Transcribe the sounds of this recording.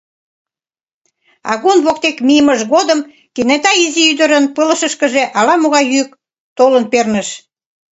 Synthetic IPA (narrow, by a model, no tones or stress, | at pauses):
ɑ̰ɣunβok̚t̪ekmijəməʒɣod̪əm | kenet̪ɑiziyd̪əɾənpələ̆ʃə̆ʃkəʒeʔɑlɑmoɣɑjyk̚ | t̪olənpernəʃ